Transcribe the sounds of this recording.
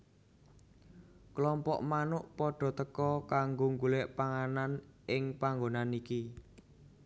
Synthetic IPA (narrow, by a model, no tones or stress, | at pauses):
klɔmpɔ̰ʔmanʊʔpɔɖ̥ɔ̤t̪əkɔkaŋɡoŋɡulɛʔpaŋananʔɪŋpaŋɡonaniki